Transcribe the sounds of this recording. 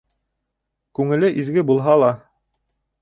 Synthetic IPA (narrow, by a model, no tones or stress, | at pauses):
kʉŋɘ̆lɘʔizɡɘbulˠɦɑlˠɑ